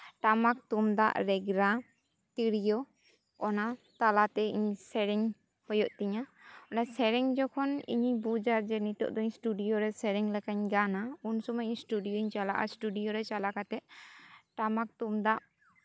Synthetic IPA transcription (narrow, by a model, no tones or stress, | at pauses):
ʈamak̚t̪umd̪a̰ʔɾɛɡɾa | t̪iɽijɔ | ɔnat̪alat̪ɛiɲsɛɾɛŋ | hɔjɔʔt̪ɛɲaɔnasɛɾɛŋd͡ʒɔkʰɔnḭɲibud͡ʒaɾd͡ʒɛnit̪ɔ̰ʔd̪ɔiɲsʈuɖijoɾɛsɛɾɛŋlɛkaɲɡanaunsɔmaiɲsʈuɖijoiɲt͡ʃalaʔa̰sʈuɖijɔɾɛt͡ʃalakat̪ɛʔ̚ʈamak̚t̪umd̪aʔ